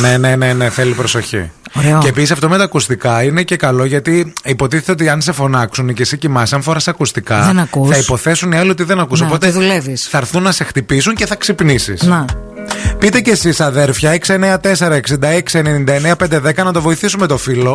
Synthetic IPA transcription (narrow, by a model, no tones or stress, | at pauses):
ne̞ne̞ne̞neθe̞lipɾo̞so̞çḭoɾeoeːpisisɐft̪omet̪ɐːkust̪ikɐine̞ce̞kɐlo̞ʝɐt̪iipo̞t̪iθet̪eot̪iɐns̬e̞fo̞nɐksunice̞sicimɐsisɐnfo̞ɾɐsɐkust̪ikɐenɐkuθɐipo̞θe̞suniɐlio̞t̪iðenɐkusopo̞t̪eðulevisθɐɾθunːɐse̞xt̪ipisuɲce̞θɐksipnisḭsne | pit̪ece̞sisɐðe̞ɾfçɐeksieneɐt̪e̞se̞ɾɐeksind̪ɐeksienenind̪ɐeneɐpend̪eðe̞kɐnɐt̪o̞vo̞iθisumet̪o̞filo̞